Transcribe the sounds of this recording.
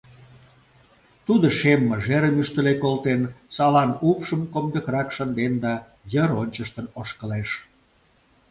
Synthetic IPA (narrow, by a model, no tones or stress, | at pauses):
t̪ud̪ə̆ʃemːəʒeɾəmyʃt̪ə̆lekolt̪ensɑlɑnupʃəmkomd̪əkɾɑkʃənd̪end̪ɑ | jəɾonʲt͡ɕəʃt̪ənoʃkəleʃ